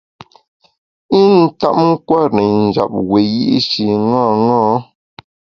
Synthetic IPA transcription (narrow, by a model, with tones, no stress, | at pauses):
i˦n̩˦˨ta̰˦ʔŋ̩˦kwa˦˨nɛ˨n̩˨d͡ʒa̰˨p̚we˨jḭ˦ʔi˦ʃi˨ŋɔ̃ː˦˨ŋɔ̃˦